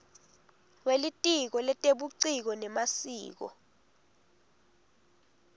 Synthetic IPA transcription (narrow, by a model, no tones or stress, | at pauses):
welitʼik̬ɔlɛtʼeɓuǀik̬ɔnɛmasḭːk̬ɔ̰